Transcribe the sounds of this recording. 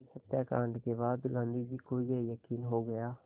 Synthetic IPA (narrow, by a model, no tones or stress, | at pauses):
hət̪jaːkaːɳɖkebaːd̪lãnd̪ibikoːiɡejəkiːnɦoɡəjaː